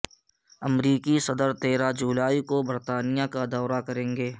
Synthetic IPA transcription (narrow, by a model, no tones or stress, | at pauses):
ɐmɾiːkisɐd̪əɾt̪eːɾad͡ʒuːlaːikobɐɾt̪aːnijakad̪ɔːɾakɐɾẽːŋɡeː